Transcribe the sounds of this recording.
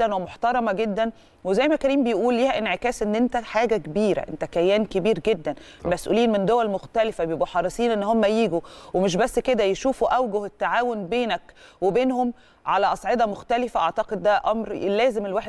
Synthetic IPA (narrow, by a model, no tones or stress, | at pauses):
ænwemoħt̪ɑɾˤɑmæɡed̪ːæn | wezæjːmækæniːmbejʔuːlːiːhæʔenʕekæːsʔenːʔent̪æħaːɡækebiːɾæ̰ʔent̪ækæjːæːnkebiːɾɡed̪ːæn | mæsʔṵliːnmend̪owælmoxt̪ælefæbebuħɑrˤːesˤiːnʔenːhomːæjiːɡuwemeʃ̬bæsːked̪æjeʃuːfuʔæwɡohet̪ːaʕaːwonbeːnækwebeːnhom | ʕalæʔɑsˤʕed̪ˤɑmoxt̪ælɪfæʔɑʕt̪ɑqed̪ːæʔɑmɾlːæːzemelwaːħe